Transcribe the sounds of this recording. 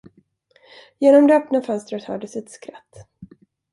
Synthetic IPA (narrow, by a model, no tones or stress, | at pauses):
jeːnɔmd̪ɛœpnafœnst̪ɾət̪hœ̰ːɖəsɪt̪skɾat̪ː